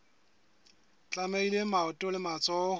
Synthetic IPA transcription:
t͡ɬʼamailemaʊtʼʊlɪmat͡sʼɔ

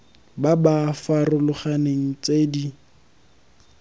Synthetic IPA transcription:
babafarʊlʊχaneŋ̩t͡sedi

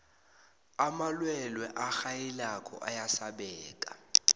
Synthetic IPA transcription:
amalwɛlwɛʔaxajilakʰʼɔ̰ʔa̰jasaɓɛːkʼa

